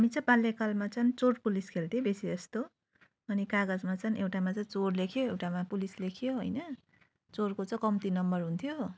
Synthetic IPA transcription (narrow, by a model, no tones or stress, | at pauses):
ɦamit͡sʌ̃balːekalmat͡sʌnt͡sorpuliskʰelʈ̪ibesiʌst̪o | ʌnikaɡʌd͡zmat͡sʌnʔewʈamat͡sʌjt͡sorlekʰjoewʈamapulislekʰjoɦʌjnʌ | t͡sorkot͡sʌ̃kʌmt̪inʌmbʌrɦunt̪ʰjo